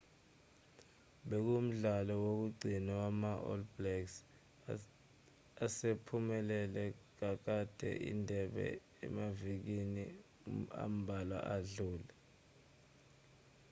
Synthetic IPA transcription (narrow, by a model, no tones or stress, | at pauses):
ɓek̬um̩ɮalɔwok̬uɡ͡ǀʱinawamaʔɔ̰lblɛks | asepʰumɛlɛlɛk̬ak̬ad̥ʱɛ̰ʔḭndʱɛɓɛ̰ | ɛ̰mavik̬ini | a̰m̩bʱalwa̰ʔaɮuːla